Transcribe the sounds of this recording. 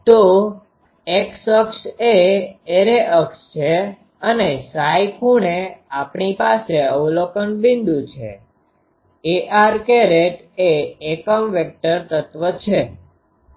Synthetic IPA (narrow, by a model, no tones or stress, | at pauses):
t̪o | eksəkseeɾeʔəkst͡ʃʰe | ənesajkʰuɳeapɳipaseəʋlokənbĩnd̪ũt͡ʃʰḛ | eʔaɾkeɾeʈ | eːkəmʋek̚ʈəɾt̪ət̪ʋət͡ʃʰe